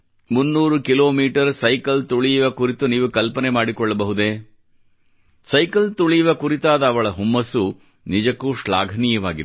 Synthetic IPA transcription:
munːuːɾukiloːmiːʈɐɾsɐjkɐlt̪uɭijʋɐkuɾit̪uniːʋukɐlpɐnemaːɽikɔɭːɐbɐɦud̪eː | sɐjkɐlt̪uɭijiʋɐkuɾit̪aːd̪ɐːʋɐɭɐɦumːɐsu | nid͡ʒɐkːuːʃɭa̰ːɡʱɐnijɐʋaːɡid̪

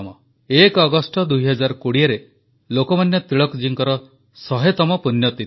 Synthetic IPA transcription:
mɔ | ekɔɡɔsʈɔd̪ujɦɔd͡ʒaɾkuɽiaɾe | lokɔmanjɔt̪ɾiɭɔkd͡ʒiŋkɔɾɔ | sɔɦet̪ɔmɔpunjɔt̪i

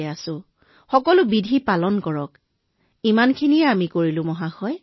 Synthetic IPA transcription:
ɛasʊ̃ | xɔkɔlʊbidʱipalɔnkɔɹɔk | imankʰinijɛamikoɹilʊ̃mɔɦaxɔj

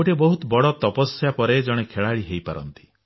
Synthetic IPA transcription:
oʈebɔɦut̪bɔɽɔt̪ɔpɔsjapɔɾed͡ʒɔɽ̃ekʰeɭaɭiɦejpa̰ɾɔ̰nt̪i̥

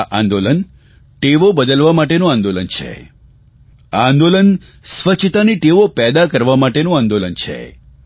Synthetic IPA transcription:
aʔãnd̪olən | ʈeʋobəd̪əlʋamaʈenũãnd̪olənt͡ʃʰḛ | ãːnd̪olən | sʋət͡ʃʰt̪aniʈeʋopɛd̪akəɾʋamaʈenũãnd̪olənt͡ʃʰḛ

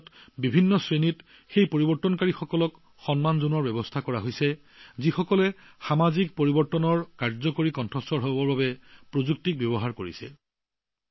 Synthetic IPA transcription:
tbibʱinːɔsɹenit | xejpoɹibɔɹtːɔnkaɹixɔkɔlɔk | xɔnmanzunɔɹbɛbɔstʰakɔɹaɦojsɛ | zixɔkɔlɛ | xamazik̚poɹibɔɹtɔnɔɹkaɹzɔkoɹikɔntʰɹɔstɔɹɦɔbɔɹbabɛpɹozuk̚tik̚bjɔbɔɦaɹkoɹisɛ̰

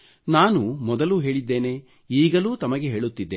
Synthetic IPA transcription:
naːnumɔd̪ɐluɦe̞ːɭid̪ːe̞ːne̞ | iːɡɐluːt̪ɐmɐɡe̞ɦe̞ːɭut̪ːid̪ːe

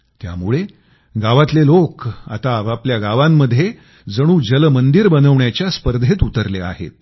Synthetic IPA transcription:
t̪ja̰muɭe | ɡaʋat̪leloka̰t̪aʋapljaɡaʋamːəd̪ʱːje | d͡zəɽ̃ũːd͡ʑəlmənd̪iɾbənəʋɳjat͡ɕjaspəɾd̪ʱet̪ut̪əɾlea̰ɦḛt̪̚

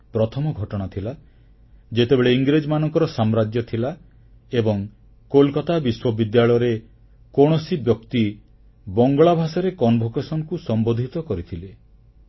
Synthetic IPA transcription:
pɾɔt̪ʰɔmɔɡʱɔʈɔɽ̃at̪ʰila | d͡ʒet̪ebeɭeiŋɡɾed͡ʒɔmanɔŋkɔɾɔsamɾad͡ʒjɔt̪ʰila | ebɔŋ | kolkat̪abiswɔbid̪jaɭɔjɔɾe | kɔɽ̃ɔsibjɔkt̪i | bɔŋɡɔɭabʱasɔɾekɔnbʱokesɔnɔkusɔmbod̪ʱit̪ɔkɔɾit̪ʰile

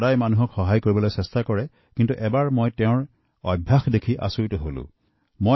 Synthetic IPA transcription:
dajmanuɦɔkxɔɦajkoɹibɔlojsɛstakɔɹɛ | kintuʔɛbaɹmojtɛʊ̃ɹ | ɔ̰bʱːaxdekʰiʔa̰soɹitɔɦolʊ̰̃ | mo

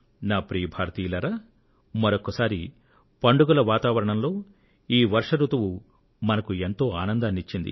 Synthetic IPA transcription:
naːpɾijɐbʱaːɾt̪iːlɐɾɐ | mɐɾokːɐsaːɾi | pɐɳɖuɡulɐʋaːt̪aːʋɐɾɐɳɐmlo̞ː | iːʋɐɾʂɐɾut̪ɐʋu | mɐnɐkue̞nt̪o̞ːaːnɐnd̪anit͡ʃːind̪ḭ

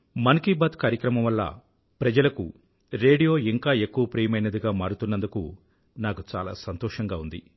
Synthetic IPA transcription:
mɐnkiːbɐːt̪kaːɾjɐkɾɐmɐmʋɐlːɐ̰ | pɾɐd͡ʒɐlɐkṵ | ɾeːɖijo̞ːiŋkaːe̞kːuʋɐpɾiːjɐmɐjnɐd̪iɡaːmaːɾɽut̪unːɐnd̪ukṵ | naːkut͡ʃaːla̰ːsɐnt̪ɔːʂɐŋɡaːund̪ḭ

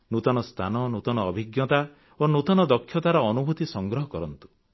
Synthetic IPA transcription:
nut̪ɔnɔst̪ʰanɔnut̪ɔnɔːbʱiɡjɔt̪a | onut̪ɔnɔd̪ɔkʰːjɔt̪aɾɔːnubʱut̪isɔŋɡɾɔɦɔkɔɾɔnt̪u̥

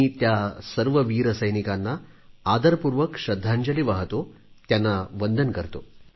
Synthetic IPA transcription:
it̪jasɐɾʋɐʋiːɾɐsɐjnikanːa | aːd̪ɐɾpuːɾʋɐkʂɐd̪ʱːaɲd͡ʒɐliʋaɦɐt̪o | t̪janːaʋənd̪ʱənkɐɾt̪o

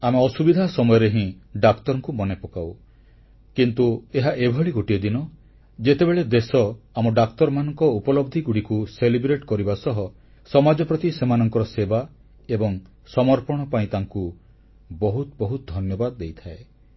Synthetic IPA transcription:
ameɔsubid̪ʱasɔmɔjɔɾeɦĩɖakt̪ɔɾɔŋkumɔnepɔkaw | kint̪ueɦaʔebʱɔɭiɡoʈiɔd̪inɔ | d͡ʒet̪ebeɭed̪esɔamɔɖakt̪ɔɾmanɔŋkɔupɔlɔb̚d̪ʱiɡuɽikuselibɾeʈkɔɾibasɔɦɔ | sɔmad͡ʒɔpɾɔt̪isemanɔŋkɔɾɔseba | ebɔŋ | sɔmɔɾpɔɽ̃ɔpaĩt̪aŋku | bɔɦut̪bɔɦut̪ɔd̪ʱɔnjɔbad̪ɔd̪ejt̪ʰae

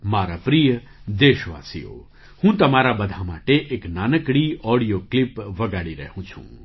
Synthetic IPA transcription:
maːɾapɾijə | d̪eːʃʋa̰ːsḭjo̰ː | hũːt̪ɐmaːɾabɐd̪ʱamaːʈeʔeːknaːnəkɽiɔːɽijoklipʋɐɡaːɽiɾɐɦũt͡ʃʰṵ̃

